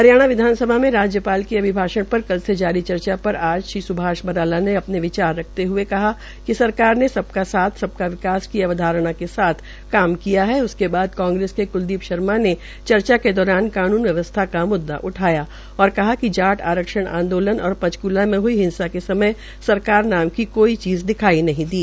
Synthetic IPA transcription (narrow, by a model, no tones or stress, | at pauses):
ɦɐɾjaːɽ̃aʋɪd̪ʱaːnsəbʱamẽɾaːd͡ʒjəpaːlkiɐbʱɪbʱaːʃəɽ̃pɐɾkɐlsed͡ʒaːɾit͡ʃɐɾt͡ʃapɐɾaːd͡ʒʃiːsʊbʱaːʃbɐɾaːlaneɐpneʋɪt͡ʃaːɾːɐk̚ʰt̪eɦʊekɐɦa | kisɐɾkaːɾnesɐb̚kasaːt̪ʰsɐb̚kaʋɪkaːskiɐʋəd̪ʱaːɾɽ̃akesaːt̪ʰ | kaːmkijaɦɛʊskebaːd̪kãːŋɡɾeːskekʊld̪iːpʃɐɾmane | t͡ʃɐɾt͡ʃaked̪ɔːɾaːnkaːnuːnʋjɐʋəst̪ʰakamʊd̪ːa̰ʔʊʈʰaːja | ɔːɾkɐɦakid͡ʒaːʈʰa̰ːɾəkʃəɽ̃ã̰ːnd̪oːlənɔːɾpɐd͡ʒkuːlamẽɦʊiɦɪ̃nsakesɐməj | sɐɾkaːɾnaːmkikoːit͡ʃiːzd̪ɪkʰaːinɐɦĩd̪iː